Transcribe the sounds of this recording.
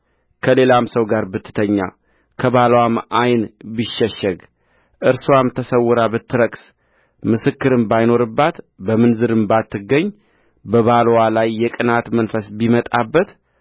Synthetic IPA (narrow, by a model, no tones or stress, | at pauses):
kʰəle̞lamsəwɡaɾbɨt̪ʰːɨ̥t̪ʰəɲːa̰ | kʰəβalwamajnbiʃːɛʃːɛɡ | ʔɨɾswamt̪ʰəsəwːʊɾabɨt̪ʰːɨɾəks | mɨsɨkːɨɾɨmbajno̞ɾɨbːat̪ | bəmɨnzɨɾɨmbat̪ːɨɡːəɲː | bəβalwalajːɛkʼɨnat̪mənfəsbimət̪ʼabːət̪